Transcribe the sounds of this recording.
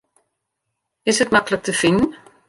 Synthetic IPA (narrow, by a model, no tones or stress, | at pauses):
ɪsətmaklək̚təfɪnən̩